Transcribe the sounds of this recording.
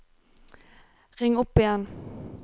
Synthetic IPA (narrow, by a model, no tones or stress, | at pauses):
ʁɪŋːʊpːɪjɛn